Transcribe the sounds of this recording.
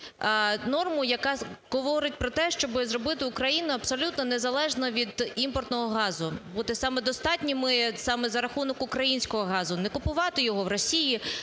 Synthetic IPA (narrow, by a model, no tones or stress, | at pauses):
nɔrmʊjɐkɑɣɔʋɔɾɪt̚ʲpɾɔt̪ɛʃt͡ʃɔbɪzrɔbɪt̪ɪʊkɾɐjinʊɐpsɔlʲut̪nɔnɛzɐlˠɛʒnɔʋʲid̪impɔrt̪nɔɦɔɦɑzʊbud̪ɛsɑmɛd̪ɔst̪ɑtʲnʲimɪsɑmɛzɐɾɐxunɔkʊkɾɐjinʲsʲkɔɦɔɦɑzʊnɛkʊpʊʋɑt̪ɪjɔɦɔʋrɔsʲiji